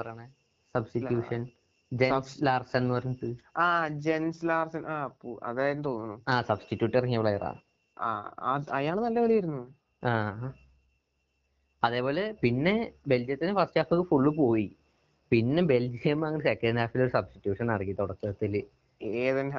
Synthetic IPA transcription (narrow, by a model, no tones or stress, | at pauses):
pɐrɐjaːɳe | sɐbstijuːʂɐn | d͡ʑeslaːrsɐnnːɨpɐɾɐɲːɐt̪ɨaːd͡ʑenslaːrsɐnʔaːpːɐ̰ðaːjnt̪oːnːunːuaːsɐbstitːjuːʈːɐrɐŋiʋɐɭɐjɐra̰ː | a̰ɐjaːɳɨnɐlːɐʋeɭiiɾunːu | aː | ɐðe̞ːpo̞ːle̞pinːe̞be̞ld͡ʑijɐt̪ːinefɐsʈaːfɐkːɨfuɭːɨpo̞ːji | pinːe̞be̞ld͡ʑijɐmɐŋːɐnesekːɐnɳɖɦaːfilːo̞ɾusɐbsti̥tːjuːʂɐnnɐɽɐkːit̪oɽɐkːɨɐt̪ːil | eːðɐn